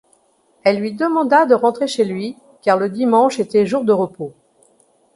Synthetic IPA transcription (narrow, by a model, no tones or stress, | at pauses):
ɛlːɥid̪əmɑ̃d̪ad̪əʁɑ̃t̪χeʃelɥi | kaʁləd̪imɑ̃ʃet̪ɛʒuʁd̪əʁəpo